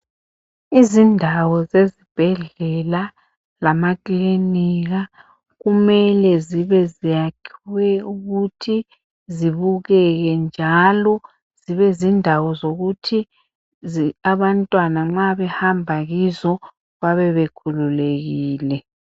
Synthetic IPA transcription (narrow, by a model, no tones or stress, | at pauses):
izindʱawɔzezib̥ʱɛɮɛla | lamakʼliniɣa | ɣumɛlɛziβɛzijakʰiwɛuɣutʰi | ziβuɣɛɣɛnd͡ʒʱalɔ | z̥iβɛzindʱawɔzoɣutʰi | ziaβantʼwanaŋ͡ǁaβɛhambʱaɣizɔ | βaβɛβekʰululeɣiːlɛ